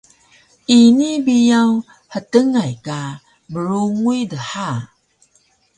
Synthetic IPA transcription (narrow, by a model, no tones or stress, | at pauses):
inibijaw | hətəŋajka | bəɾuŋujdəħa